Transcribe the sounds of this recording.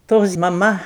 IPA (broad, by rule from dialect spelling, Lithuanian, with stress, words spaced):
ˈtoːs mɐˈmɐ